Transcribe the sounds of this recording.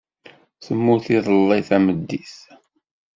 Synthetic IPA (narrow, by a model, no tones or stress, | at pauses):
θəmːʊθiðˤəlːɑjθæməd̪ːiθ